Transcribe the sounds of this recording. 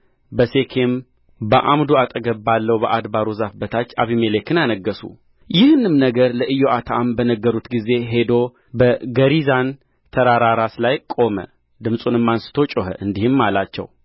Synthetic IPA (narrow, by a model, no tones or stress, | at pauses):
bəse̞kʰem | bəʔamd̪uat̪ʼəɡəbːalːəwbəʔad̪baɾuzafbət̪ʰat͡ʃːa̰βimelekɨnjanəɡːəsṵ | jɪhnɨmnəɡəɾləʔɨjːoʔat̪ʰaambənəɡːəɾut̪ɡize̞ɦe̞d̪o | bəɡəɾizan | t̪ʰəɾaɾaɾaslajkʼo̞mə̰ | d̪ɨmsʼunɨmːansɨ̥t̪ʰo̞t͡ʃʼoɦə̰ʔɨnd̪ihɨmːalat͡ʃːɛ̰w